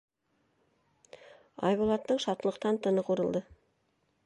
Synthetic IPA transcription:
ɑ̰jbolˠɑt̪ːəɴʃɑt̪ːəlˠəq̚t̪ɑnt̪ʰənəqʰuɾəlˠd̪ə

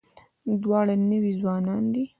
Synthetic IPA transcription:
d̪wɑɽanəwizwɑnɑnd̪i

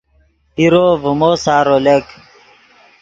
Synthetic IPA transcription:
iɾoːvumoːsaːɾolek

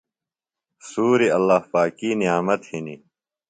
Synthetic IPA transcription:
suːɾiɐlːaːhpaːkiːnijaːmɐt̪hini

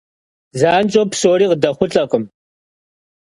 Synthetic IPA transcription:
zaːnt͡ʃʼopsoːɾiːqdɐχʷʊɬʼɐqəm

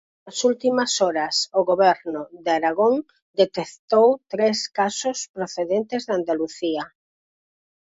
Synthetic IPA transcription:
nɐsult̪imɐsɔɾɐsʊɣoβɛɾnʊdaɾaɣoŋ | d̪et̪ekt̪owt̪ɾeskasʊspɾoθeðent̪ezðand̪aluθia

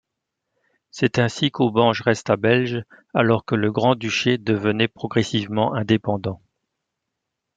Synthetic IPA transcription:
sɛt̪ɛ̃sikobɑ̃ʒʁɛst̪abɛlʒ | alɔʁkələɡʁɑ̃d̪yʃed̪əvənɛpχɔɡʁɛsivmɑ̃ʔɛ̃d̪epɑ̃d̪ɑ̃

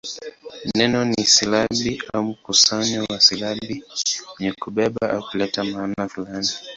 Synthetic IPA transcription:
m̩nɛnɔnisilaɓiaum̩kusaɲɔwasilaɓiɲɛkuɓɛɓaʔaukulɛtamaːnafulani

